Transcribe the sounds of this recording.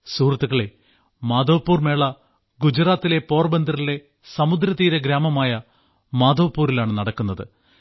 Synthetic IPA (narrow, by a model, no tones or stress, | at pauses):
suːrɐt̪ːuɣɐɭe̞ | maːd̪oːpːuːrme̞ːɭɐ | ɡud͡ʑɐraːt̪ːile̞po̞ːrbɐnd̪ʱɐrile̞ | sɐmud̪ɾɐt̪iːɾɐɡɾaːmɐmaːjɐ | maːd̪oːpːuːrilaːɳɨnɐɽɐkːunːɐðɨ̰